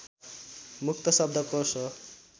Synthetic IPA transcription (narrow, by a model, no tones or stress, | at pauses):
mukt̪ʌsʌb̚d̪ʱʌkosʌ